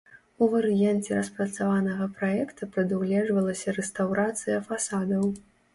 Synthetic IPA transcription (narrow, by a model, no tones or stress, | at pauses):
uvɐɾɨjant͡sʲɛɾɐspɾɐt̪savanɐɣɐpɾajɛkt̪ɐpɾɐd̪uwlʲɛʐvɐlˠɐsʲɐɾɛst̪awɾat̪sɨjɐfasad̪ɐw